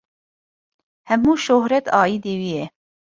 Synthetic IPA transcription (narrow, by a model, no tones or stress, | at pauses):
hɛmuːʃohɾɛt̪ɑːjiːd̪eːwiːjɛ